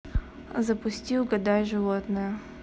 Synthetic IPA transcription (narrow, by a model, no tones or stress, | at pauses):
zəpʊsʲtʲilˠɡɐd̪ajʲʐɨvot̪nɨjə